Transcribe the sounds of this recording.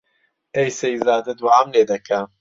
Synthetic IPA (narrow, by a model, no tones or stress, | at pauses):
ejsezaːd̪ɐd̪waamleːd̪ɐkʰa